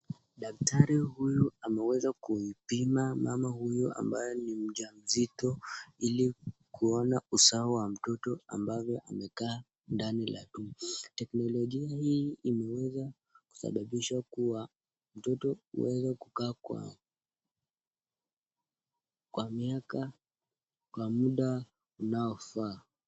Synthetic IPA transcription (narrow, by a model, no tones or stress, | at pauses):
ɗak̚tʰaɾihujuamɛwɛzakuipimamamahujua̰mbajɔnim̩ʄam̩zitɔilikʰuɔnausaɔwam̩tɔtɔa̰mbavjɔʔamɛkaː | ndanila̰ɗutɛknɔlɔʄiahiːimɛwɛza | ku̥sa̰ɓaɓiʃakuwa | m̩tɔtɔṵwɛzakukaːkwa̰ | kwamiaka | kwamuɗa | unaɔfaː